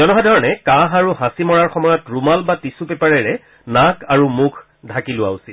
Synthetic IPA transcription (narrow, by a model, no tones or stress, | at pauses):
zɔnɔɦadʱɔɹɔnɛkaɦaɹuɦãsimɔɹaɹxɔmɔjɔtɹumalbatisupɛpaɹɛɹɛ | nakaɹumukʰ | dʱakilʊa̰usit